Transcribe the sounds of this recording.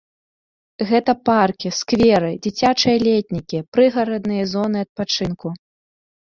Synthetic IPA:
ɣɛt̪ɐparkʲiskvʲɛɾɨd͡zʲit͡sʲat͡ʂɐjɐlʲɛt̪ʲnʲikʲipɾɨɣɐɾɐd̪nɨjɐzɔnɨɐt̪̚pat͡ʂɨnku

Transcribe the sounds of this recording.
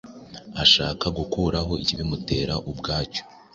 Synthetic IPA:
aʃa̰ːkaɡukuɾaɦo̞iciβimute̞ːɾaʔubɡaːco̥

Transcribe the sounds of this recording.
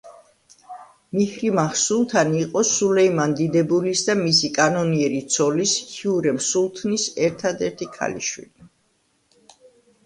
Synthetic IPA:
mihɾimaχsulˠt̪ʰaniqʼɔsulɛimand̪id̪ɛbulisd̪amisikʼanɔniɛɾit̪sʰɔlishiuɾɛmsulˠt̪ʰnisɛɾt̪ʰad̪ɛɾt̪ʰikʰa̰lḭʃwḭli

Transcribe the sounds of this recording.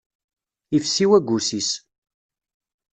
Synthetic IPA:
ifsiwæɡʷusis

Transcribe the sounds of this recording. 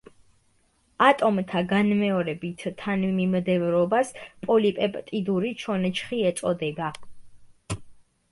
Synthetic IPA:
at̪ʼɔmt̪ʰaɡanmɛɔɾɛbit̪ʰt̪ʰːanmimd̪ɛvɾɔbaspʼɔlipʼɛpʼt̪ʼid̪uɾit͡ʃʰɔnɛt͡ʃʰχiɛt̪sʼɔd̪ɛb̪a

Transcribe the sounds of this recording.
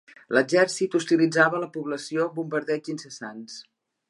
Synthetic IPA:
ləd͡ʒɛɾsit̪ust̪ilid͡zaβələpuβləsiobumbəɾðɛd͡ʒinsəsans

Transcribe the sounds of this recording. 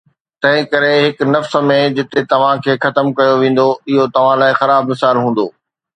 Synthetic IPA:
t̪ɐ̃ɦɪ̃kɐɾeɦɪknɐfsmẽd͡ʑɪt̪et̪ɐʋ̤ãkʰeːxɐt̪əmkɐjoʋẽːn̆d̪oɪɦot̪ɐʋ̤ãlaːɪxɐɾaːbmɪsaːlɦũːn̆d̪oː

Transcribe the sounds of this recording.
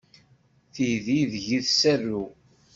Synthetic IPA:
θijðiðʝiðsærːu

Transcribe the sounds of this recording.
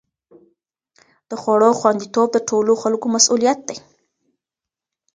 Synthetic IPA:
d̪̥əxwaɽoxwand̪it̪ob̚d̪əʈʰoloxalkomasulijat̪̚d̪aj

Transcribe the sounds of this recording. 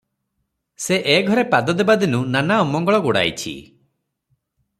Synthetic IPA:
seʔeɡʱɔɾepad̪ɔd̪ebad̪inunanaɔmɔŋɡɔɭɔɡoɽa̰jt͡ʃʰḭ

